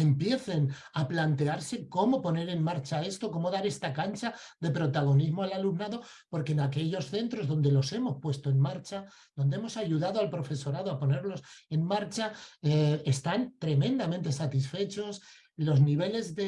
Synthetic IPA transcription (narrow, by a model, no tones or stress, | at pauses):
e̞mpje̞θe̞n | aplant̪e̞aɾse̞ko̞mo̞po̞ne̞ɾe̞nmaɾt͡ʃae̞st̪o̞ko̞mo̞ðaɾe̞st̪akant͡ʃaðe̞pɾo̞t̪aɣ̞o̞nizmoalalumnaðo̞ | po̞ɾkeːnake̞ʎo̞sθe̞nt̪ɾo̞zðo̞nd̪e̞lo̞se̞mo̞spwe̞st̪oenmaɾt͡ʃa | ðo̞nd̪eemo̞saʝuðað̞oalpɾo̞fe̞so̞ɾaðoapo̞ne̞ɾlo̞se̞nmaɾt͡ʃaeest̪ant̪ɾe̞mẽnd̪amẽnt̪e̞sat̪isfe̞t͡ʃo̞s | lo̞zniβ̞e̞le̞zðe